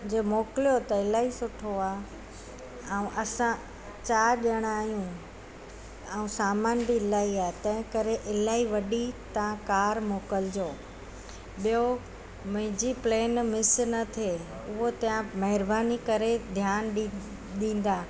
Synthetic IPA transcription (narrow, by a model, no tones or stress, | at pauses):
d͡ʑeːmoːkɪlijot̪ɐɪlaːɦisʊʈʰoaː | ɛũʔɐsã | t͡ɕaːɗəɽ̃aːɦijũ | ɛũsaːmaːnbilaːiaːet̪ɐ̃ɦɪ̃kɐɾeʔɪlaːɦiʋɐɗit̪ɐãkaːɾmoːkəld͡ʑoː | ɓijo | mɐ̃ɦɪ̃d͡ʑipleːnmɪsnɐt̪ʰe | ʊɦot̪ɐ̃jãmɐɦɪɾbaːnikɐɾed̪ʱjaːnɗ | ɗĩːn̆d̪aː